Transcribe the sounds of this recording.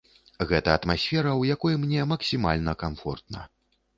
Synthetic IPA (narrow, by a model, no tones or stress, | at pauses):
ɣɛt̪ɐːt̪masʲfʲɛɾɐwjakɔjumnʲɛmɐksʲima̰lʲnɐkamfɔ̰rt̪̚nɐ̰